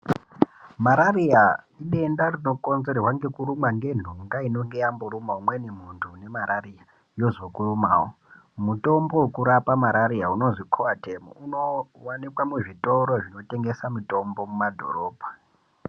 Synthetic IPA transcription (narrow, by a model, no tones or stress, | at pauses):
maɾarija | iɗe̞ndarino̞ko̞nze̞rwaŋɡe̞kuɾumaŋɡe̞n̤uŋɡaino̞ŋɡejamboɾumaumwe̞nem̤untʰune̞maɾaria | jo̞zo̞kuɾumaːwo | muto̞mbowukuɾapamaɾaɾiauno̞ʐikʰoatemo̰uno̞wanikwamuʐito̞ɾoʐino̞te̞ŋɡe̞samuto̞mbo̞mumadʱo̞̰ɾo̞ːbʱa